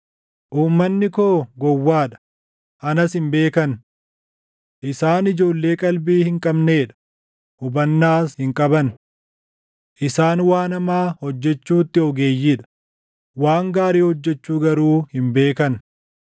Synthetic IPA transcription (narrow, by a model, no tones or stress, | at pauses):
ʔuːmːɐnːɪko̞ːɡɔwːaːᶑɐ̥ | hɐnɐsɪmbe̞ːkɐn | ʔɪsaːnɪd͡ʒo̞ːlːe̞ːkʼɐlbiːhɪŋkʼɐbne̞ːᶑɐ̥ | hʊbɐnːaːshɪŋkʼɐbɐn | ʔɪsaːnwaːnɐmaːhɔd͡ʒːɛt͡ʃːuːt̪ːɪɔɡe̞ːjːiᶑɐ̥ | waːŋɡaːɾiːhɔd͡ʒːɛt͡ʃːuːɡɐɾuːhɪmbe̞ːkɐn